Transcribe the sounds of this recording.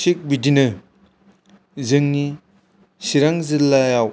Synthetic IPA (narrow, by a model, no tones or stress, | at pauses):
sik̚bidinɯ | zɯŋni | siɾaŋzilːajaw